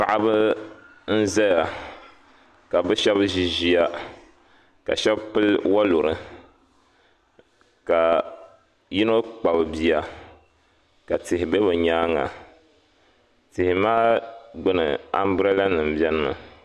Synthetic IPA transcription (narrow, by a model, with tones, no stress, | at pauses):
pa˨ʔa˦bɨ˦ | n̩˦za˦ja˨ | ka˨bɨ˦ʃɛ˦bʒi˦ʒi˦ja˦ | ka̰˨ʃɛ˦bpɨ˦lwa˦lu˨ɾɨ˦ | ka˨ | ji˦no˦k͡pa˨bɨ˨bi˨ja˨ | ka˨tɪ˨hɪ˨be˦bɨ˨ɲaː˦ŋa̰˨ | tɪ˨hɪ˨maː˦ɡ͡bʊ˦nɨ̰˨a̰˦m˦bɾɛ˦la˦nɨ˨m̩˨bɛ˦n˦mɨ̰˨